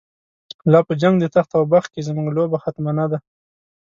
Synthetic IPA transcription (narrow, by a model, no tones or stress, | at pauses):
lɑpəd͡ʒaŋɡd̪ət̪axt̪awbaxkezmuŋɡlobaxat̪manad̪a